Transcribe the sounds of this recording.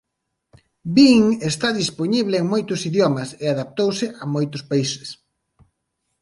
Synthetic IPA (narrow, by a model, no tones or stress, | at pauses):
biŋest̪aðisponiβlɪeŋmojt̪ʊsiðjomɐseaðap̚t̪owsɪʔamojt̪ʊspaisɪ̥s